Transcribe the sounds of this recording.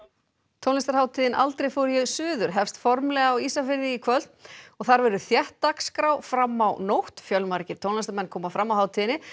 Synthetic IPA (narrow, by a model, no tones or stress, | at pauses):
t̪ʰownɛst̪aɾ̥haːwt̪ʰiːðɪnʔalt̪ɾejfowɾʏjɛɣsʏːðʏɾ̥ɦɛfst̪fɔɾmlɛɣaːwiːsafɪɾðɪikʰvœl̥t̪nɔɣθaɾvɛɾʏθjɛht̪ːakskɾawfɾamːawnowht̪fjœlmaɾcɪɾt̪ʰownɛst̪aɾmɛnːkʰɔːmafɾamːawhaːwt̪ʰiðɪnɪ